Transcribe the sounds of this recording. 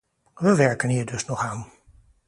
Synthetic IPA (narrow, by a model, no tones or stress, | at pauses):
ʋəʋɛɹkənɦiːɹdɵsnɔχaːn